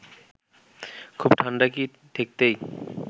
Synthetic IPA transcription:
kʰubʈʰaɳɖaki | ʈ̪ʰek̚t̪ej

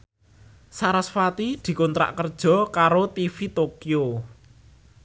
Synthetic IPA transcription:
saɾasfat̪id̪̥i̤kɔnt̪ɾa̰ʔkərd̥ʒ̥ɔ̤kaɾot̪ifit̪okio

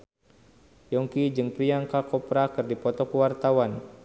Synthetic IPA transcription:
jɔŋkid͡ʒɨŋpɾiaŋkakɔpɾakɨrdipɔt̪ɔkəwart̪awan

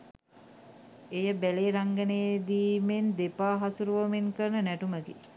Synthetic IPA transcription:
ejəbæleːɾaŋɡəneːd̪iːmend̪epaːɦasuɾuʋəmeŋkəɾnənæʈuməɡḭ

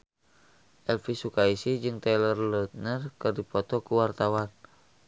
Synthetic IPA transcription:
ʔɛlfisukaisid͡ʒɨŋt̪ɛlərlɔt̪̚nərkɨrdipɔt̪ɔkuwart̪awan

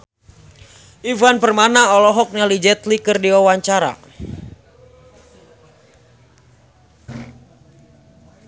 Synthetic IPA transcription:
ʔivanpərmanaɔlɔɦɔk̚ɲalid͡ʒɛt̪likərdiawaɲt͡ʃaɾa̰

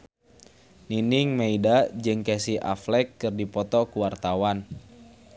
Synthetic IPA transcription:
niniŋmeidad͡ʒɨŋkɛsiʔa̰flɛkːɨrdipɔt̪ɔkuwart̪awan

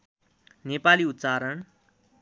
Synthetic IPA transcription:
nepaliːut̪ːt͡saɾəɳ

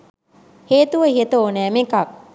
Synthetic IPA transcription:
heːt̪uʋəɦiet̪əoːnæːmekak

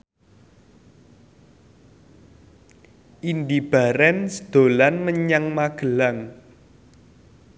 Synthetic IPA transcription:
ʔindib̥a̤ɾɛnsəd̪̥o̤lanməɲaŋmaɡ̥ə̤laŋ

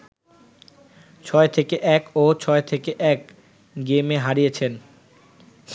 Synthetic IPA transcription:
t͡ɕʰɔet̪ʰekeʔɛkot͡ɕʰɔet̪ʰekeʔɛk | ɡemeɦaɾijet͡ɕʰen

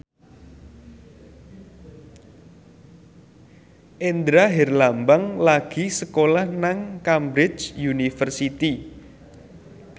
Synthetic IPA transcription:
ʔend̪ɾaɦɛrlambaŋlaɡ̥isəkolahnaŋkambɾɪt͡ʃjunifərsit̪i

